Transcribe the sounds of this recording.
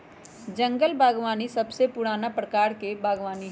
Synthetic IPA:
d͡ʒə̃ŋɡəlbʱaːɡʋaːnisəbsepʊɽaːnapɾəkaːɾkebʱaːɡʋaːni

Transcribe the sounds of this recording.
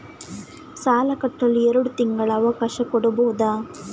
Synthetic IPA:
saːlɐkɐʈːɐlːiɛɾɐɽut̪iŋɡɐɭɐːʋɐkaːʃɐkɔɽubɐɦud̪aː

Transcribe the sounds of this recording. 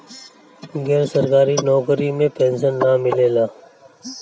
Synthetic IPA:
ɡɛːɾsəɾkaːɾinɔːkɾimẽpẽːnsənːaːmɪleːlaː

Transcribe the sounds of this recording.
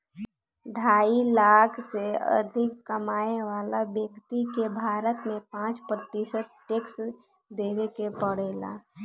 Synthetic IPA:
ɖʱaːilaːkʰseə̰d̪ʱɪkːəmaːeʋaːlabjəkt̪ikebʱaːɾət̪mẽpãːt͡ʃpɾət̪ɪsət̪̚ʈeks | d̪eːʋekepəɽeːla̰ː

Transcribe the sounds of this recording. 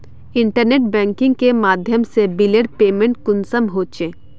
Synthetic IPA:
ɪ̃ɳʈəɾneːʈ̚bɛ̃ːŋkɪ̃ŋɡkemaːd̪ʱjəmsebɪleːʈ̚peːmẽɳʈ̚kʊnsəmɦoːt͡ʃẽː

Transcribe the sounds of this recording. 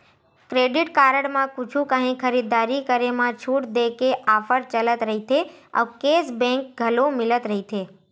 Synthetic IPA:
kɾeɖɪʈkaːɾəɽmãkʊt͡ʃʰũkəɦĩkʰəɾid̪aːɾikəɾemãt͡ʃʰuʈd̪ekeʔafəɾt͡ʃələt̪ɾəɦit̪ʰeə̰ʋkeːsbɛ̃ŋk̚ɡʱəlõmɪlət̪ɾəɦit̪ʰe

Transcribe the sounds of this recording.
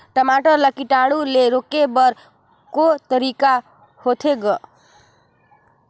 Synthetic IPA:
ʈəmaʈʌɾləkiʈaɽuleɾokebʌɾ | kot̪əɾika | hot̪ʰeɡʌ

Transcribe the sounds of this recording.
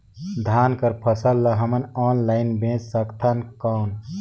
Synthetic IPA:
d̪ʱankəɾpʰəsəlːəɦəmənɔːnlaɪnbẽt͡ʃsəkt̪ʰənkəʊn

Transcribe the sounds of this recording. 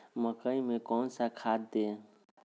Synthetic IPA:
məkəimẽkɔːnsakʰad̪d̪e

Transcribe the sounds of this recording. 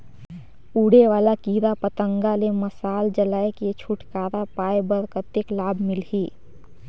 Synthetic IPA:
uːɽeʋaːlakiːɾapət̪ə̃ŋɡaleməsaːld͡ʒəlaːeket͡ʃʰʊʈkaːɾapaːebəɾkət̪ɪklaːbmɪliː

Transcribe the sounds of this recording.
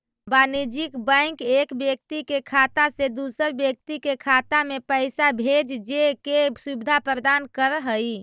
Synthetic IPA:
banid͡ʒikbə̃ɪ̃kekbjək̚t̪ikekʰat̪ased̪usəɾbjək̚t̪ikekʰat̪amepəɪsabʱed͡ʒd͡ʒekesubid̪ʱapɾəd̪ankəɾɦəj

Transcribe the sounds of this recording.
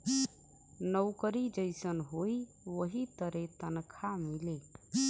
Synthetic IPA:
nəʊkəɾid͡ʒəɪsənɦoi | ʋəɦit̪əɾet̪ənkʰamile

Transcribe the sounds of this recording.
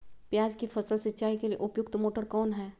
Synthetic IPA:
pjaːd͡ʒkifɐsəlsɪtːt͡ʃaːikeliḛʔʊpjʊkt̪moːʈəɾkɔːnɦɛː

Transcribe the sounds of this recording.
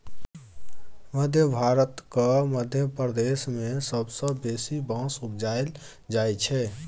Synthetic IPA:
məd̪ʱjəbʱaɾət̪kəməd̪ʱjəpɾəd̪esmesəbsə̃ːesibãsukd͡ʒael | d͡ʒajt͡ʃʰɛ

